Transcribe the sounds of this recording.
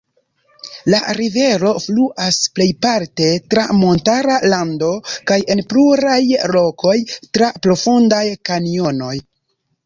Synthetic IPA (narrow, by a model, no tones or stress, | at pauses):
laɾive̞ɾo̞fluʔasple̞jpaɾte̞tɾamo̞ntaɾalando̞kaje̞npluɾajlo̞kʰo̞jtɾapɾo̞fundajkanio̞no̞j